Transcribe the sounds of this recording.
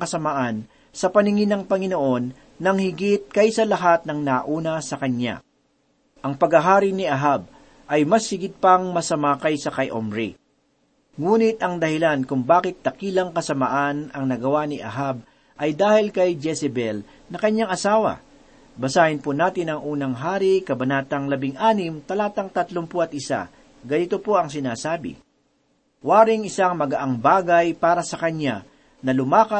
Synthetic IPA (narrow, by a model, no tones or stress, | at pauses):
ɐŋkɐsɐmaʔɐn | sɐpɐnɪŋɪnɐŋpɐŋɪnoʔo̞nː | ɐŋhɪɡɪt̪̚kɐjsɐlɐɦat̪̚nɐŋnaʔuːnɐsɐkɐɲːa̰ | ʔɐŋpɐɡɐɦaːɾɪnɪʔɐɦab̚ | ʔɐjmɐshɪɡɪt̪̚pɐŋmɐsɐmakɐjsɐkɐjʔo̰mɾḭ | ŋuːnɪt̪ʔɐŋd̪ɐhɪlankʊŋbaːkɪt̪̚d̪ɐkiːlɐŋkɐsɐmaʔanɐŋnɐɡɐwanɪʔɐ̰ɦab̚ | ʔɐjd̪aːhɪlkɐjd͡ʒɛsɛbɛl | nɐkɐɲaŋɐsaːwɐ̰ | bɐsaːhɪnpʊnaːt̪ɪnɐŋʔuːnɐŋɦaːɾikɐbɐnaːt̪ɐŋlɐbɪŋʔaːnɪmt̪ɐlaːt̪ɐŋt̪ɐt̪lompoʔɐt̪̚ʔɪsa̰ | ɡɐnit̪opoɐŋsɪnaːsaːbɪ̰ | waːɾɪŋɪsaŋmɐɡɐʔaŋbaːɡɐjpaːɾɐsɐkɐɲa | nɐlʊmaːkɐ